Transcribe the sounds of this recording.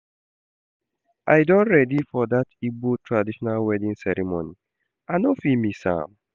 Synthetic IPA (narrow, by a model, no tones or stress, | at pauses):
ʔajdɔ̃nɹɛdifɔdatibotʰɹadiʃɔnalwɛdĩŋsɛɾimoni | anofimisã̰m